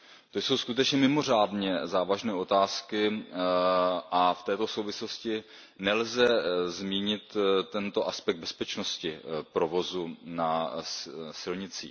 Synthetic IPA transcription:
t̪ojso̞wskut̪ɛt͡ʃɲɛmɪmo̞r̝aːdɲɛzaːvaʒnɛːʔo̞t̪aːskɪ | ʔaft̪ɛːt̪o̞so̞wvɪslo̞scɪ | nɛlzɛzmiːɲɪt̪ːɛnt̪o̞ʔaspɛk̪̚bɛspɛt͡ʃnoscɪpɾovo̞zuna | sɪlɲɪt͡sḭː

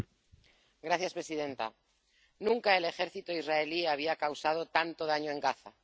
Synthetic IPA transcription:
ɡɾaθjaspɾe̞siðẽ̞nt̪a̰ | nũŋkae̞le̞xe̞ɾθit̪oizraeliaβ̞iakawsað̞ot̪ant̪oðaɲoe̞ŋɡaθa

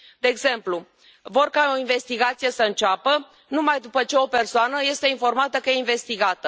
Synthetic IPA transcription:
d̪e̞ːɡze̞mplu | vo̞rkao̞inve̞st̪iɡat̪sije̞səɨnt͡ʃapə | numajd̪upət͡ʃe̞o̞pe̞rsoanəje̞st̪e̞info̞rmat̪əkəjeinve̞st̪iɡat̪ə

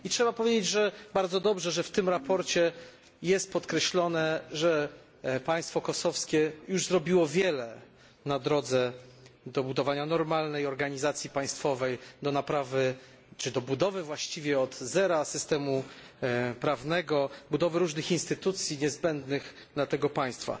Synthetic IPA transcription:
itʂɛbapɔvʲed͡ʑed͡ʑʐɛbaɾd̪zɔd̪ɔbʐɛʐɛft̪ɘmɾapɔɾt͡ɕɛ | jɛst̪̚pɔt̪kɾɛɕlɔnɛʐɛ | paj̃st̪fɔkɔsɔfskʲɛjuʐzɾɔbʲiwɔvʲjɛlɛ | nad̪ɾɔd̪zɛ | d̪ɔbud̪ɔvaɲanɔɾmalnɛjɔɾɡaɲizat̪sʲjipaj̃st̪fɔvɛjd̪ɔnapɾavɘ | t͡ʂɘd̪ɔbud̪ɔvɘvwaɕt͡ɕivʲjɛɔd̪zɛɾasɘst̪ɛmu | pɾavnɛɡɔbud̪ɔvɘɾuʐnɘxinst̪ɘt̪ut̪sʲjiɲɛzbɛnd̪nɘx | d̪lat̪ɛɡɔpaj̃st̪fa̰

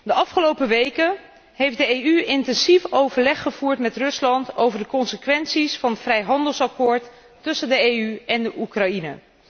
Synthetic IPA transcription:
dəɑfχəlowpəʋejkə | ɦejfdəejyɪntɛnsifowvəɹlɛχːəv̥uːɹtmɛtrɵslɑntowvəɹdəkɔnsəkʋɛnsisfɑnətfrɛjɦɑndəlˠsɑkʊːɹtː | ɵsəndəejyɛndəʔukrɑjinə̰

